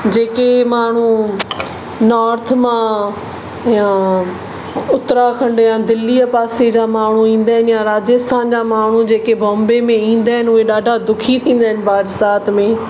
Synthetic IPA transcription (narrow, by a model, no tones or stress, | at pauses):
d͡ʑeːkemaːɳ̤u | nɔːɾt̪ʰmã | jã | ʊt̪ɾakʰɐ̃ɳɖejãd̪ɪlːiəpaːsed͡ʑaːmaːɳ̤uĩːn̆d̪aːɦɪnjaɾaːd͡ʑəst̪ʰaːnd͡ʑamaːɳ̤ud͡ʑeːkebʱɔ̃ːmbemẽĩːn̆d̪aːɦɪnɪʊɦeɗaːɖʱad̪ʊkʰit̪ʰĩːn̆d̪aːɦɪnɪ̆baːd̪saːt̪ʰmẽː